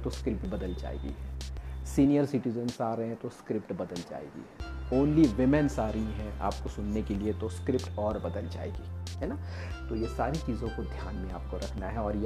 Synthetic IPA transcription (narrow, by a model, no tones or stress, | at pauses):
t̪oskɾɪp̚ʈbɐd̪əld͡ʒa̰ːḛːɡḭɦɛːsiːnijəɾsɪʈizənsaːɾɐɦẽɛ̃t̪oskɾɪpʈbɐd̪əld͡ʒa̰ːḛːɡḭɦɛːoːnliʋɪmɛ̃nsaːɾəɦĩɦɛ̃ʔa̰ːpkosʊnːekeliet̪oskɾɪpʈɔːɾbɐd̪əld͡ʒa̰ːḛːɡiːɦɛːna | t̪ojesaːɾit͡ʃiːzõkod̪ʱjaːnmẽa̰ːp̚koɾʔɐkʰnaɦɛɔːɾj